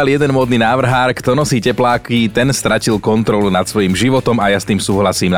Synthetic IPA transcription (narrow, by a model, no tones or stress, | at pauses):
aljɛd̪ɛnmʊɔːd̪ninaːʋr̩ɦaːɾkt̪ɔnɔsiːcɛplaːkit̪ɛnst̪ɾacilkɔnt̪ɾɔlunat̪sʋɔjimʒiʋɔt̪ɔmajast̪iːmsuːɦlasiːm